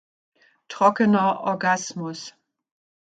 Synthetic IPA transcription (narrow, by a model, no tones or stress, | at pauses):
tʁ̥ɔkənɐʔɔ̰ɐɡasmʊs